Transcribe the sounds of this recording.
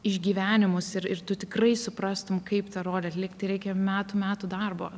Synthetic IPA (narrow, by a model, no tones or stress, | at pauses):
ɪʒʲɡʲiːʋʲæːnʲɪmʊsɪɾɪrt̪ʊt̪ʲɪkrɐɪsʊpɾɑst̪ʊmkɐɪpt̪ɐɾoːd̪ʲɛɐtlʲiɛkt̪ɐɪɾʲɛɪkʲɛmʲæːt̪umʲæːt̪uːd̪ɐrboː